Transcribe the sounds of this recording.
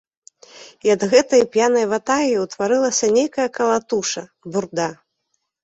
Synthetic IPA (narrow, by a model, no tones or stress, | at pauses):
iɐd̪ɣɛt̪ɐjpjanɐjvat̪ajʲiwt̪vaɾɨlˠɐsʲɐnʲejkɐjɐkɐlˠat̪uʂɐburd̪a